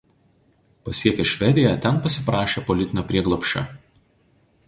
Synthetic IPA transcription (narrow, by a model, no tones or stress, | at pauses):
pɐsʲiɛkʲeʃʲʋʲɛd̪ʲɪjɛt̪ʲɛnpɐsʲɪpɾɑːʃʲeːpɔlʲɪt̪ʲɪnʲoːpʲɾʲiɛɡlˠɔpʲʃʲt͡ʃʲɛ̰